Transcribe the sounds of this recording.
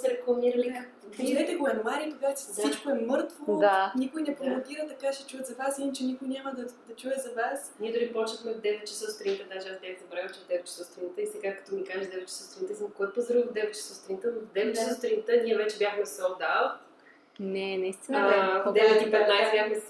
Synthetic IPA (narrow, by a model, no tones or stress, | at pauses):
sɛɾɛklˠɐmiɾɐlia | ʒid̪ɛt̪ɛkomɛmaɾik̪oɡat͡ʃɛssit͡ʃkoɛmɤɾt̪vod̪anikʊjnɛpɾomot̪iɾət̪ɐkaʃɛt͡ʃuɛt̪zɐvasint͡ʃɛnikʊjnʲamɐd̪ɐd̪ɐt͡ʃuɛzɐvasnʲiɛd̪ʊlipɔt͡ʃəxmɛvd̪ɛvɛt̪̚t͡ʃɛ̥sɔst̪ɾinit̪əd̪aʒɛazbʲjaxd̪ɐbɾaɣət͡ʃɛvd̪ɛvɛt̪̚t͡ʃɛ̥sɔst̪ɾinit̪əisɛɡakɐ̥t̪ɔmikaʒɛʃd̪ɛvɛt̪̚t͡ʃːɛ̥sɔst̪ɾʲinit̪əzmkɔɛpozɾɔd̪ɛvɛt̪t͡ʃɛ̥səst̪ɾinit̪ənod̪ɛvɛt̪t͡ʃɛsost̪ɾinit̪əniɛvɛt͡ʃɛbʲjaxmɛsɔld̪at̪ | nɛnɐist̪ind̪ɛvɛt̪ipɛt̪najsɛbʲjaxmɛ